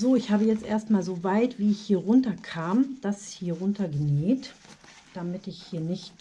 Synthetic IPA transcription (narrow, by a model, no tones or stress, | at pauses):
zoːɪçhaːbəjɛt͡stʔḛːɐstmaːlzoːvaɪtv̥iːɪçhiːɐʁʊntɐkʰaːmd̥ashiːɐʁʊntɐɡəneːt | d̥amɪtɪçhiːɐnɪçt